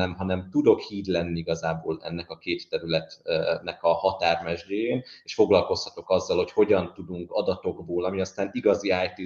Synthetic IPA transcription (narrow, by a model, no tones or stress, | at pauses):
nɛmɦɒnɛmt̪ud̪o̞khiːd̪lɛnːiiɡɒzaːboːlɛ̰nːɛkɒkeːt̪ːɛɾylɛt̪nɛkɒhɒt̪aːrmɛʒɟeːjeːneːʃfo̞ɡlɒlko̞shɒ̥t̪o̞kɒzːɒlho̞cho̞ɟɒnt̪ud̪uŋkɒd̪ɒt̪o̞ɡboːlɒmiɒst̪aːniɡɒziaːjt̪i